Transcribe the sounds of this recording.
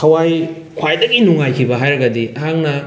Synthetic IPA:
kʰɐwaj | kʰwajdɐɡinuŋajkʰibɐɦajɾɐɡɐdiʔɐɦaŋnɐ

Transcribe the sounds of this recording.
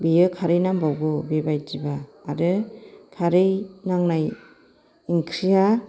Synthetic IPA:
bijɯkʰaɾɯjnambawɡɯbebajdibaːɾɯkʰaɾɯjnaŋnaj | iŋkʰɾija

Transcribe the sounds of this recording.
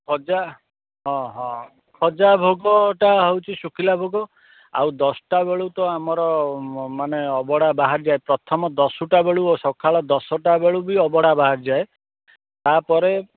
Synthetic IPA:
kʰɔd͡ʒa | ɦɔ̃ɦɔ̃ | kʰɔd͡ʒabʱoɡɔʈaɦewt͡ʃʰisukʰilabʱoɡɔ | a̰wd̪ɔsɔ̥ʈabeɭut̪ɔamɔɾɔmaneɔbɔɽabaɦaɾd͡ʒaepɾɔt̪ʰɔmɔd̪ɔsuʈabeɭuosɔkʰaɭɔd̪ɔsɔʈabeɭubiɔbɔɽabaɦaɾd͡ʒae | t̪apɔɾe

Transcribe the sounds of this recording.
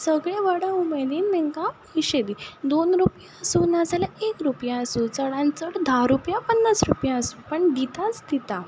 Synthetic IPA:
səɡɭeʋaɽãumed̪iːnmɛ̃ŋkãpəiɕed̪id̪onɾupjaəsuːnad͡zalaekɾupjaəsuːt͡səɽãnt͡səɽd̪ʱaɾupjapənːasɾupjaəsuːpəɳd̪it̪at͡sd̪it̪a

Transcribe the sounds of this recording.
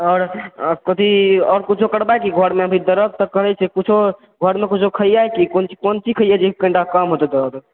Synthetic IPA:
ɔːɾkət̪iɔːɾkut͡ʃʰokəɽbajkiɡʱəɾmeəbʱid̪əɾəb̚t̪ɔkəɦɛt͡ʃʰɛkut͡ʃʰo | ɡʱəɾmekut͡ʃʰokʰəjajkikont͡ʃi̥kont͡ʃʰikʰəjɛd͡ʒekə̃ɳɖakəmɦot̪ɛd̪əɾəb

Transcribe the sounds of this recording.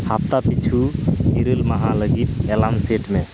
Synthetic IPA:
hapt̪apit͡ʃʰuɦiɾəlməɦaləɡit̪elamseʈme

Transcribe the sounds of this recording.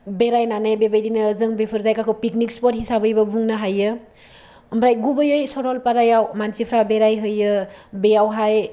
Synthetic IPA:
beɾajnanajbebejɾinɯzɯŋbepʰɯɾzajkakʰowpik̚nikspɔt̚hisabɯjbɐbuŋnɯɦajːɯ | mɾajɡubɯjɯjsɔɾɔlpaɾajawmansipʰɾabeɾajɦɯjɯbejawɦaj

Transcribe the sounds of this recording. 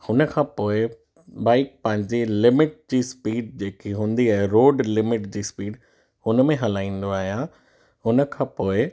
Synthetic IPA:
hʊnə̆kʰãːpoːɪ | baːɪk̚pɐ̃ɦɪ̃ɲd͡ʑelɪmɪʈ̚d͡ʑiːspiːɖd͡ʑeːkiɦũːn̆d̪iaːɦeɾoːɖlɪmɪʈd͡ʑiːspiːɖ | ʊnəmẽɦɐlaːĩːn̆d̪oaːɦijã | ʊnə̆kʰãːpoːɪ

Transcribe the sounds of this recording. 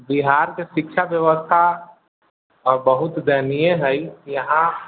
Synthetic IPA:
biɦaːɾkeʃɪkʃʰaʋjəʋəst̪ʰa | bəɦʊt̪d̪ɛːnijeɦɛijɐɦã

